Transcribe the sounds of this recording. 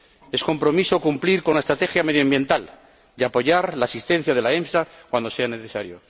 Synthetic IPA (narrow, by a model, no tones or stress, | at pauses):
e̞sko̞mpɾo̞miso̞kumpliɾko̞nlaest̪ɾat̪e̞xjame̞ð̞joambje̞nt̪al | d̪eapo̞ʝaɾlaːsist̪ẽ̞n̟θjað̞e̞laemsakwand̪o̞se̞aneθesaɾjo̰